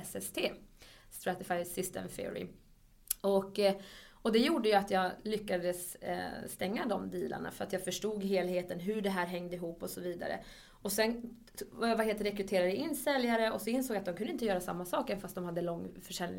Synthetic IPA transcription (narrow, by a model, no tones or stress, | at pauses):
ɛsɛst̪ʰeː | st̪ɾat̪ɛfajsɪst̪ɛ̰mfɪ̰ʊ̰ɾɪ̰ | ɔkː | ɔd̪ɛjuːɖəjat̪jɑːɡlʏkːad̪əsst̪ɛŋːad̪ɔmd̪iːlʔa̰ɳa̰fœɾat̪jɑːfœʂʈuːɡɦeːlheːt̪ənɦɵɖɛɦæːɾɦɛŋːd̪əɪɦuːpːɔsɔviːd̪a̰ɾə̰ | ɔsɛn | vjvaɦeːlt̪əɾɛkɾɵt̪ʰeːɾad̪əɪnːsɛljaɾəɔsɔɪnsoːɡjat̪d̪ɔmkɵnd̪ɪnt̪əjœːɾasamːasɑːkɛnfast̪d̪ɔmhad̪ːəlɔŋːfœʂɛlnɪ